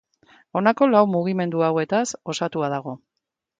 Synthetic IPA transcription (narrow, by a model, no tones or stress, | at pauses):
o̞nako̞lawmuɣime̞nd̪uawe̞t̪aso̞sat̪uaðaɣ̞o̞